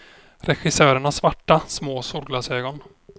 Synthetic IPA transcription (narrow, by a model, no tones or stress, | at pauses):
ɾɛɧɪsœːɾəɳasːvaʈːasmoːsuːɾɡlɑːseːɡɔn